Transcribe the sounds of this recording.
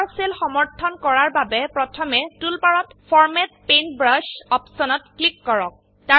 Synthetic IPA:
ɹselxɔmɔɹtʰɔnkɔɹaɹbabɛpɹɔtʰɔmɛtulpaɹɔtfʰɔɹmɛt̚penbɹaʃɔpsɔnɔt̚klikːɔɹɔk̚ | ta

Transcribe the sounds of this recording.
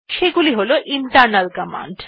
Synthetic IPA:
ʃeɡuliɦoloʔiɳʈaɾnalkama̰ɳɖ

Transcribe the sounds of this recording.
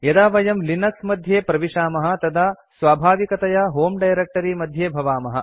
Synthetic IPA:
jɐd̪aːʋɐjɐmlinɐksmɐd̪ʱjeːpɾɐʋiʂaːmɐɦɐ̆t̪ɐd̪ʱa | sʋaːbʱaːʋikɐt̪ɐjɐɦoːmɖɐjɾek̚ʈɐɾimɐd̪ʱjeːbʱɐʋaːmɐɦɐ

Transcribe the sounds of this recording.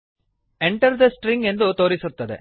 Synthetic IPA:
ɛɳʈɐɾd̪ɐsʈɾɪ̃ŋɡend̪ut̪oːɾɪsɯt̪ːɐðɛ̰

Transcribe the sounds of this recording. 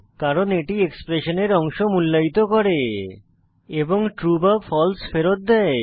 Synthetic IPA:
kaɾoneʈiekspɾeʃoneɾɔŋʃomulːait̪okɔɾe | eboŋʈɾubafʰɔlsfeɾot̪̚d̪ɛe

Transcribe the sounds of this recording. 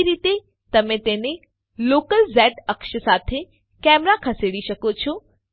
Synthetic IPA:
ɾiːt̪e | t̪ɐmẽt̪enẽ | loːkəlzɛːʈɐkʃəsaːt̪ʰe | kɛːmɾakʰɐseːɽiʃɐkot͡ɕʰo

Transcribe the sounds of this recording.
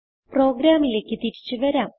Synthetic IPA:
pro̞ːɡɾaːmile̞ːkːɨt̪iɾit͡ɕːɨʋɐɾaːm

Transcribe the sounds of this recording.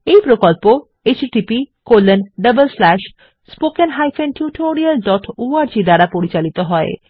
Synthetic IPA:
ejpɾokolpo | et͡ɕʈipikolːenɖəbəlslɛʃ | spokenɦajfenʈjuʈʰoɾialɖɔʈoaɾd͡ʑid̪aɾapoɾit͡ɕalit̪oɦɔe

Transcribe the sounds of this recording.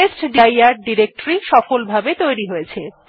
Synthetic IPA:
esʈɖijaɾɖiɾek̚ʈɾiʃɔfolbʱabet̪ojɾiɦojet͡ɕʰe

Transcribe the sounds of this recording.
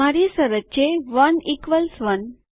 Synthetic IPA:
aɾisəɾət͡ɕeʋənikʋəlsʋən

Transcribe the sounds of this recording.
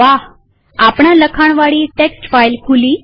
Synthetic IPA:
ʋaɦ | apɳ̃aləkʰaɽ̃ʋaɭiʈeksʈfajlkʰuli

